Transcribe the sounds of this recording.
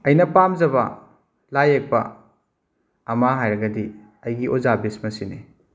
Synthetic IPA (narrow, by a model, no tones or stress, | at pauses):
ɐjnɐpamzɐbɐ | lajek̚pɐ̰ | maɦajɾɐɡɐdi | ɐjɡiʔozabesmɐsini